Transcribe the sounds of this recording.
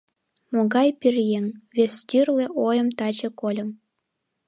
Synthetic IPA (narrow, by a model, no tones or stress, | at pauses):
moɡɑjpʲirjeŋβʲesʲt̪ʲyrlʲĕʔojə̆mt̪ɑt͡ɕĕkolʲɤ̆m